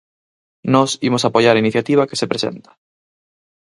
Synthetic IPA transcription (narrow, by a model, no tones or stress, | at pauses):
nɔsimosapojaɾainiθjat̪iβ̞ake̥sepɾesḛnt̪ḁ